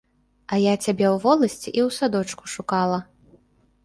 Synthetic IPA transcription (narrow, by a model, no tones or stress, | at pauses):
ɐjat͡sʲabʲɛwvɔlˠɐsʲt͡sʲiʔiwsad̪ɔt͡ʂku̥ʂukalˠɐ